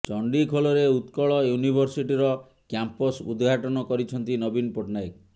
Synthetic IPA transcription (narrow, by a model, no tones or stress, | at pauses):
t͡ʃɔɳɖikʰolɔɾeut̪kɔɭɔjunibʱɔɾsiʈiɾɔ | kjampɔsṵd̪ɡʱaʈɔnɔkɔɾit͡ʃʰɔnt̪inɔbinpoʈnajk